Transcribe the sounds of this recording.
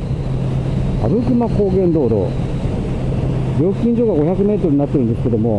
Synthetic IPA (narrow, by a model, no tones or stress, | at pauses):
a̰bɯ̟kɯ̟mako̞ːɡẽ̞nd̪o̞ːɾo̰ | bʲo̞ːkʲĩɲ̟d͡ʑoːɡaɡo̞çakɯ̟me̞ːt̪oɾɯ̟ɲinat̪ːe̞ɾɯ̟nd̪e̞sɨ̥ke̞d̪o̞mo̞